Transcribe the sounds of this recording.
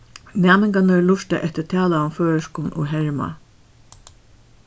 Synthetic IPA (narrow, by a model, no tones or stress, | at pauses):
næːmɪŋɡanəlʊʂt̪ə̰ʔɛht̪ət̪ʰɑːlaʊmføːəʃkuːnʔṵɦɛɹma̰